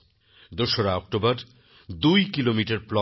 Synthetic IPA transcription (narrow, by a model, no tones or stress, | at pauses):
d̪oʃoɾaɔk̚ʈobaɾ | d̪ujkilomiʈaɾplɔ